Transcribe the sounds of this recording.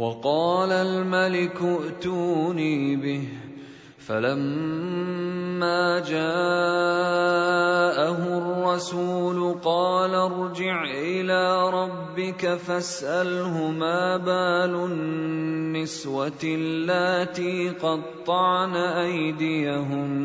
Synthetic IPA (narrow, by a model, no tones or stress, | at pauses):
wɑqɑːlalmalɪkʊʔt̪uːniːbɪh | falam | aːd͡ʒaː | ʔaɦʊrˤːɑsuːlʊqɑːlaɾˤd͡ʒɪʕʔɪlaːɾˤɑbːɪkafasʔalɦʊmaːbaːlʊ | nːɪswalːat̪iːqɑd̪̚t̪ˤːɑʕnaʔajd̪ɪjaɦʊm